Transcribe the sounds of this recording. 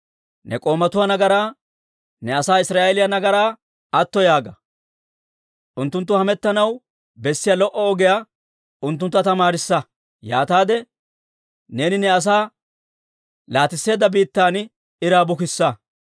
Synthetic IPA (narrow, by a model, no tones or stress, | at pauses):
nɛ̰kʼo̞ːmɐt̪ʊwɐnɐɡɐɾaː | nɛɐsaːɪsɾaːʔɛlɪjɐnɐɡɐɾaː | ɐt̪ːɔjaːɡɐ | ʔʊnt̪ːʊnt̪ːʊhɐmɛt̪ːɐnɐw | bɛsːɪjɐlɔʔɔɔɡɛja | ʊnt̪ːʊnt̪ːɐt̪ɐmaːɾɪsːɐ | jaːt̪aːd̪ɛ | ne̞ːnɪnɛɐs̬aː | laːt̪ɪsːe̞ːd̪ːɐbiːt̪ːaːn | ɪɾaːbʊkɪsːɐ